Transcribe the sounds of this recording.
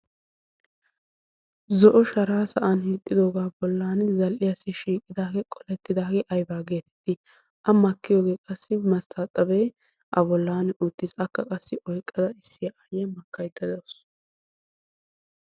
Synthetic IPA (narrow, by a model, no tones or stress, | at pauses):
zɔʔɔʃɐɾaːsɐʔɐnhiːt̪ʼːɪd̪o̞ːɡaːbɔlːaːnzɐlʔɪjasɪʃiːkʼːɪd̪aːɡɛkʼɔlɛt̪ːɪd̪aːɡɛʔɐjbaːɡe̞ːt̪ɛ̥t̪ːɪ | ʔɐmɐkːɪjo̞ːɡeːkʼɐsːɪmɐst̪ʰat̪ʼɐbeː | ʔɐbɔlːaːnʔut̪ːɪsɐkːɐkʼɐsːɪʔɔjkʼːɐd̪ɐɪsːɪjɐʔɐjɛmɐkːɐjd̪ɐd̪ɔs